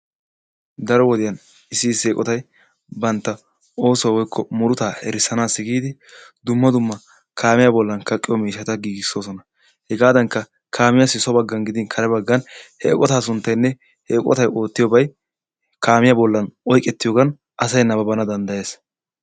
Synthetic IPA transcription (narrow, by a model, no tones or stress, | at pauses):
d̪ɐɾɔwɔd̪ɪjɐn | ɪsːiːseːkʼɔt̪ɐj | bɐnt̪ːɐ | o̞ːsɔwɔjkʰːɔmʊɾʊt̪aːhɛɾɪsːɐnaːsːɪɡiːd̪ɪ | d̪ʊmːɐd̪ʊmːɐ | kʰaːmɪjabɔlːɐnkɐkʼːɪjɔmiːʃɐt̪ɐɡiːɡɪsːo̞ːsɔnɐ | hɛɡaːd̪ɐŋkːɐ | kʰaːmɪjasɪsɔbɐɡːɐnɡɪd̪ɪnkʰɐɾɛbɐɡːɐnhɛ̰kʼɔt̪aːsʊnt̪ːɐjnːɛ | heːkʼɔ̰t̪ɐjʔo̞ːt̪ːɪjɔbɐj | kaːmɪjabɔlːɐnɔjkʼɛt̪ːɪjoːɡɐn | ʔɐsɐjnɐbɐbɐnɐd̪ɐnd̪ɐje̞ːs